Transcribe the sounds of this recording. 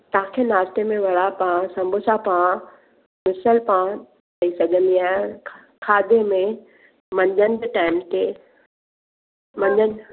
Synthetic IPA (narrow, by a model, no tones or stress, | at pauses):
t̪ããkʰenaːst̪emẽʋɐɭapãsɐ̃mbʱʊsapã | mɪsəlpã | kɐisɐɡʱə̃nd̪iaː | kʰaːd̪emẽ | mɐ̃ɲd͡ʑənɪbiʈaːɪmt̪ʰe | mɐ̃ɲd͡ʑən